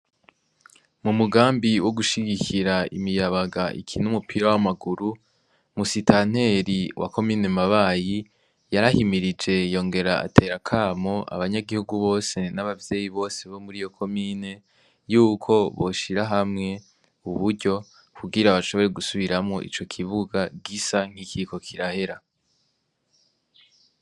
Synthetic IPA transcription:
mumuɡaːmbiwʔo̞ɡuʃiɡikʰiɾaḭmijaβaɡaʔḭkʰinumupʰiɾawamaɡuɾu | musitan̥e̞ɾiwʔa̰ko̞miːne̞maβaːji | jaɾahimiɾid͡ʒe̞jo̞ːŋɡe̞ɾaa̰tʰe̞ːɾakʰaːmo̞ʔa̰βaɲaɡihuɡuβo̞ːse̞naβavje̞ːjiβo̞ːse̞βo̞muɾijo̞kʰo̞miːne̞ | juːkʰo̞βo̞ʃiɾaɦamŋe̞ | uβuɾɟo̞ | kʰuɡiɾaβaʃo̞βo̞ɾe̞ɡusuβiɾamŋo̞ʔḭt͡ʃo̞kʰiβuɡaɡisaŋ̥hikʰiko̞kʰiɾahe̞ɾa

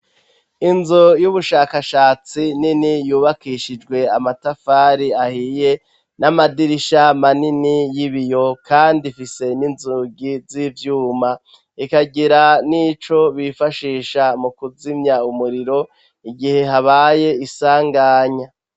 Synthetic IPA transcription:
inzojuβuʃaːkaʃaːt͡sininijuːβakiʃid͡ʒɡwe̞amatafaːɾiahiːje̞ | namadiɾiʃamaninijiβijo̞kʰaːndifise̞ninzuɡizivjuːma | ikaɡiɾaniːt͡ʃo̞βifaʃiːʃamukuzimɲaumuɾiɾo̞ | iɡihe̞ɦaβaːje̞isaːŋɡaːɲa

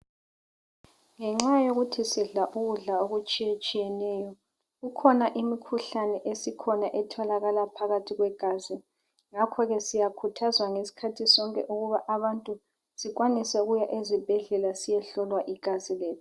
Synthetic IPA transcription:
ŋɛŋ͡ǁajoɣutʰisiɮaʔuɣuɮaoɣut͡ʃʼiet͡ʃʼijɛnɛjɔ | ɣukʰɔnaʔimikʰuɬanɛʔesikʰɔnaʔɛtʰɔlaɣalapʰaɣatʰiɣwɛɡ̥ʱazi | ŋakʰɔɣɛsijakʰutʰazwaŋesi̥kʰatʰisɔŋkʼɛ̰ʔuɣuβaʔaβantʼu | siɣwanisɛuɣujaʔezib̥ʱɛɮɛlasijɛɬɔlwaʔiɡ̥ʱazilɛːtɔ

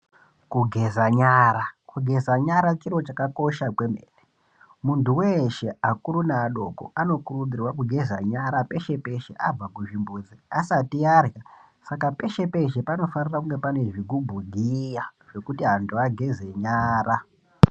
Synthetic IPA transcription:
kuɡʱe̞zaɲaːɾakuɡʱe̞zaɲaɾat͡ʃiɾo̞t͡ʃakako̞ʃakwe̞mḛre | muntuweʃe̞akuɾunaːɗo̞̰ko̰ano̞kuruɗirwakuɡʱe̞zaɲaɾape̞ʃe̞pe̞ʃeʔab͡vakuʐimbuːd͡ziasatiarja | sakape̞ʃe̞pe̞ʃe̞pano̞fanirakuŋɡe̞pane̞ʐikubʱuɡʱijaʐe̞kutiɦantuaɡʱeze̞ɲaːra

